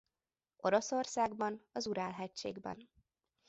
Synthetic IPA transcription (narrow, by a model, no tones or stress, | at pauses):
o̞ɾo̞so̞rsaːɡbɒnɒzuɾaːlɦɛct͡ʃḛːɡbɛ̰n